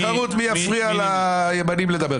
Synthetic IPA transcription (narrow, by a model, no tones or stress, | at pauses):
aʁut̪mijafʁialajebanimle̞d̪ɐbe̞